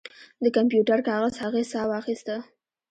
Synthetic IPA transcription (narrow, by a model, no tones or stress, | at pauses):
d̪əkampjuʈaɾkɑɣəzhaɣesɑwɑxist̪ə